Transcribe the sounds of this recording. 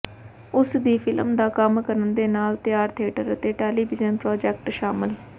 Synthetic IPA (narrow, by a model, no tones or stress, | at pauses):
ʊsd̪iːpʰɪləmd̪aːkəmkəɾənd̪eːnaːlt̪ɪjaːɾt̪ʰeːʈəɾət̪eːʈɛːliːʋɪzənpɾoːd͡ʒɛk̚ʈʃaːmɪl